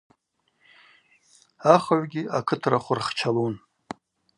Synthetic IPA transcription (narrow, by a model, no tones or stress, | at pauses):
aχaʕʷɡʲiakʰɨtʰraχʷʊrχt͡ʃʰalun